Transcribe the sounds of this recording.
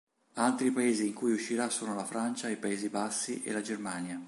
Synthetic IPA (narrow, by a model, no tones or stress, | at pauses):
alt̪ɾipaeːziːŋkujuʃːiɾasːoːnolafɾant͡ʃaipaeːzibasːiʔḛlad͡ʒermaːnja